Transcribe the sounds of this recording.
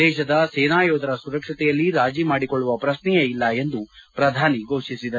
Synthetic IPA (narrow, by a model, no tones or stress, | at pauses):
ɛːʃɐd̪ɐseːnaːjoːd̪ʱɐɾɐsuɾɐkʂɐt̪ɛjɐlːiɾaːd͡ʒimaːɽikoɭːuʋɐpɾɐsnɛjɐilːɐe̞nd̪upɾɐd̪ʱaːniɡʱo̞ːʂisid̪ɐ